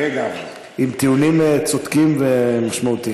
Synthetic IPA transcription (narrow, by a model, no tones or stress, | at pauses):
eɡa | imt̪iunimet͡sod̪kimvemaʃmaut̪i